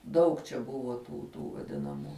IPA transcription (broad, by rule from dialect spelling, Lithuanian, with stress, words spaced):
ˈdɐʊk t͡ʃʲɛ ˈbʊʋoː tuː ˈtuː ʋɐˈdʲɪnɐmuː